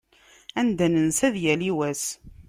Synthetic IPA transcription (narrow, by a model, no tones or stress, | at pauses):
ænd̪ænənsæðjæliwæs